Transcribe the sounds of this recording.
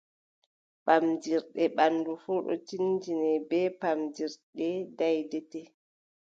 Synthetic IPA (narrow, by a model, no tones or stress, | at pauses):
pamd͡ʒiɾɗɛɓanːdufuːɗɔ̰t͡ʃind͡ʒinɛbɛpamd͡ʒiɾɗɛdajdɛtɛ